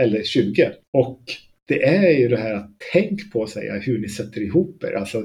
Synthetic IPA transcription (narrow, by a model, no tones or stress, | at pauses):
ɛlːəɾɕʉ̟ːɡəɔk | d̪̥ɛʔæɾjɵd̪ɛɦæːɾat̪ʰːɛŋkpʰɔːsɛ̰jːa̰hɵɳɪsɛt̪ːəɾɪɦuːpæ̰ːɾʔa̰lsɔ